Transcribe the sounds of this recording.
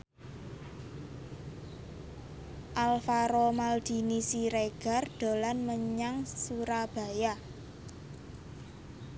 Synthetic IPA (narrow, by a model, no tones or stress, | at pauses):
ʔalfaɾomald̪̥i̤nisiɾeɡ̥a̤rd̪̥o̤lanməɲaŋsuɾab̥a̤ja